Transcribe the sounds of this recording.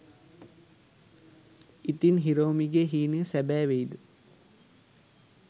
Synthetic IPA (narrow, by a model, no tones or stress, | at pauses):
it̪inɦiɾoːmiɡeɦiːnəsæbæːʋejd̪u